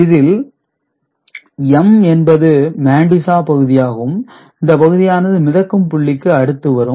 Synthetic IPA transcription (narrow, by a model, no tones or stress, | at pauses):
ɪðɪl | ɛmɛnbɐðɯmaːɳɖɪsaːpɐɣɯðɪjaːɣɐɯm | ɪnd̪ɐpɐɣɯðɪjaːnɐðɯmɪðɐkːɯmpʊɭːɪkːɯɐɽɯt̪ːɯʋɐɾɯ